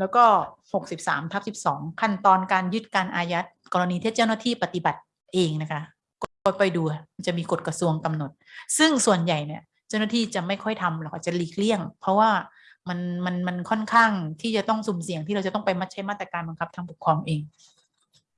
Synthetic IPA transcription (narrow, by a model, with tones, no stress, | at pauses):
lɛː˦˥wkɔː˥˩ho˨˩k̚si˨˩p̚sa̰ː˩˦mt̪ʰa˦˥p̚si˨˩p̚sɔː˩˦ŋkʰa˥˩nt̪ɔː˧nkaː˧njɯ˦˥t̪̚kaː˧nʔaː˧ja˦˥t̪̚kɔː˧ɾa˧niː˧t̪ʰiː˥˩t͡ɕa˥˩wnaː˥˩t̪ʰiː˥˩pa˧t̪i˨˩ba˨˩t̪̚ | ʔeː˧ŋna˦˥kʰa˦˥ | kɔ˧˩kɔ˧˩pɔ˧˩jduː˧a˨˩ma˧nt͡ɕa˨˩miː˧ko˨˩t̪̚kɾa˧su˧əŋka˧mno˨˩t̪̚sɯ˥˩ŋsu˨˩ənja˨˩jni˧˥ɐ | t͡ɕa˥˩wna˥t̪ʰiː˥˩t͡ɕa˨˩ma˥˩jkʰɔ˥˩jt̪ʰa˧mlɛː˧˥kʰaː˥˧˩t͡ɕa˨˩liː˨˩k̚li˥˩əŋpʰɾɔ˦˥waː˥˩ | ma˧nma˧nma˧nkʰɔ˥˩nkʰaː˥˩ŋt̪ʰiː˥˩t͡ɕa˨˩t̪ɔ˥˩ŋsu˨˩msi˨˩˦əŋt̪ʰiː˥˩ɾa˧wa˨˩t̪ɔ˥˩pa˧jma˦˥t̪̚t͡ɕʰa˦˥jma˥˩t̪ːɾa˧kaː˧nba˧ŋkʰa˦˥p̚t̪ʰa˧ŋbu˨˩k̚ʰɔː˧mʔeː˧ŋ